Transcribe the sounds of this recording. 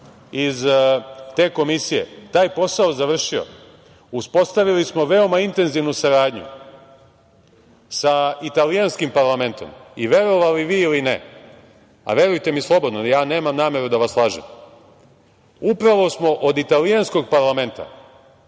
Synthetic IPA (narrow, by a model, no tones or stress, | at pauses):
izt̪e̞ːko̞misije̞̰t̪aːjpo̞saozaʋr̩ʃio̞̰ | uspo̞st̪aʋilismo̞ʋe̞o̞maint̪e̞nziʋnusaɾaːd̪ɲṵ | sait̪alijanskimpaɾlˠame̞nt̪o̞̰miʋje̞ɾo̞ʋaliʋiːilinḛ | a̰ʋe̞ɾujt̪e̞mislˠo̞bo̞d̪nojaːne̞ːmamnaːme̞ɾud̪aʋaslˠaːʒḛm | upɾaʋo̞smo̞ʔod̪it̪alijansko̞ɡ̚paɾlˠame̞nt̪a̰